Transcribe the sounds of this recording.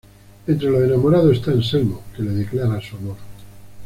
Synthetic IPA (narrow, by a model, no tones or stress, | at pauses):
ent̪ɾe̞loenamoɾaðoe̞st̪aenselmoke̞leðeklaɾasuamoɾ